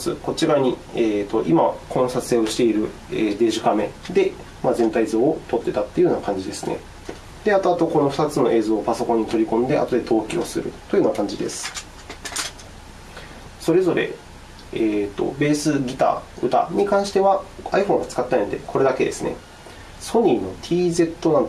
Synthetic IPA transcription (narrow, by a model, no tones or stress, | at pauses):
sɨ̰ko̞t͡ɕiɾaɲ̟i | eːt̪o̞ʔimakʰõ̞ñɰ̃sat͡sɨ̥eoɕi̥t̪e̞iɾɯ̟ | eːd̪e̞ːʑikame̞̰d̪e̞ | mazẽ̞nt̪aizo̞ːt̪o̞t̪ːe̞t̪at̪ːeiɯjɯoːnakãɲ̟d͡ʑid̪e̞sɨne̞̰ | d̪̥e̞at̪o̞at̪o̞ko̞no̞ɸɯ̟t̪at͡sɨno̞ʔe̞ːzoːpaso̞kõ̞ɲ̟ːit̪o̞ɾʲikõ̞nd̪e̞ʔa̰t̪o̞d̪et̪o̞ːkʲio̞̰sɨɾɯ̟̰t̪ːo̞ji̟ɯːnakãɲ̟d͡ʑid̪e̞sɨ̥ | so̞ɾe̞zo̞ɾe̞̰ | eːt̪ːo̞̰be̞ːsɨɡʲit̪a̰ːɯ̟t̪a̰ɲ̟ikãɰ̃ɕi̥t̪e̞βaaiɸõ̞ŋ̃ɡat͡sɨ̥kat̪ːeaĩnd̪e̞̰kʰo̞ɾe̞d̪ake̞d̪e̞sɨne̞̰ | so̞ɲ̟ino̞t̪ʲʰiːze̞t̪ːonãn